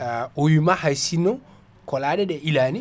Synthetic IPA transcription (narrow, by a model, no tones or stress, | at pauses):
owimahajsinːɔ | kɔlaːɗɛɗɛʔilaːni